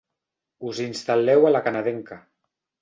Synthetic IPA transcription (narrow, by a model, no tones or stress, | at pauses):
uzinst̪alɛwalakanaðeŋka